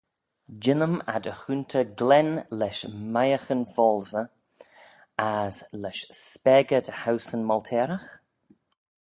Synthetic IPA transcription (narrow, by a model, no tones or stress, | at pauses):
d͡ʒɪnəma̰dəxunt̪ʰəɡlɛnlɛʃmajəxənfɔːlzə | azlɛʃspɛɡədhawsənmɔltʰɛːɾəx